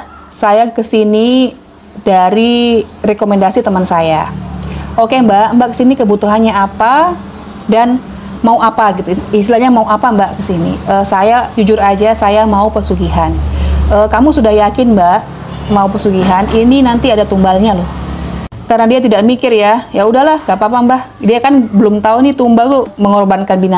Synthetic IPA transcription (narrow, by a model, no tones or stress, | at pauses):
sajakəsini | daɾirekomendasit̪əmənsaja | ʔokembaʔmbaʔkə̥sinikəbut̪uɦanɲaapa | dan | mauapaɡit̪uist̪laɲamauapambaʔkəsinḭəːsajad͡ʒud͡ʒʊɾad͡ʒasajamaupəsuɡiɦanəːkamusudahjakɪnmbaʔ | maupəsuɡiɦanininant̪iadat̪umbalɲalʊh | kaɾənadiat̪idaʔmikɪrjajaudahlahŋɡaʔpapambah | diakanbəlʊmt̪aunit̪umbalt̪ʊməŋɔrbankanbina